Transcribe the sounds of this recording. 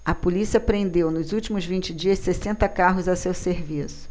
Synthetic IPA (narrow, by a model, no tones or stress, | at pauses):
ɐpolisiɐpɾẽnd̪ewnʊzuwt͡ʃimʊzvĩnt͡ʃɪd͡ʒiɐssesẽnt̪ɐkaɦʊzɐsewseɾvisʊ̥